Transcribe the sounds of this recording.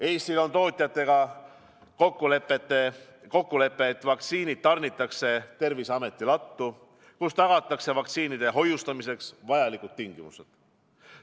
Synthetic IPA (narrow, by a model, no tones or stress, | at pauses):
e̞jst̪ilo̞nt̪o̞ːt̪ʲˑjɑt̪ːˑe̞ɡ̥ɑ | kokːˑulepːˑet̪ːe | ko̞kːule̞pːˑe̞ːt̪ːˑvɑkt̪siːnid̪̥̚t̪ɑrnit̪ːˑɑkse̞t̪e̞rvisɑme̞t̪ːˑilɑt̪ːu | kust̪ɑɡ̥ɑt̪ːˑɑkse̞vɑkt̪siːnid̪̥e̞ɦo̞just̪ɑmise̞ksvɑjɑlikud̪̥̚t̪ːiŋɡ̥imused̪̥